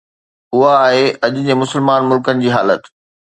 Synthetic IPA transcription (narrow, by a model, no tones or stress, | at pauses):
ʊɦaːɦeɐʄʊ̆d͡ʑeːmʊsəlmaːnmʊlkənɪ̆d͡ʑiːɦaːlət̪